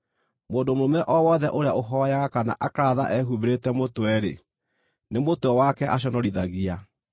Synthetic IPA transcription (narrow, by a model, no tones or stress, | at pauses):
moːndomoɾomɛʔɔwɔðɛʔoɾeaʔoɦɔjaɣakana̰ʔakaða̰ʔɛɦuβeɾetɛmotoɛɾḛ | nemotoɔwakɛʔaɕ̬ɔnɔɾiðaɣia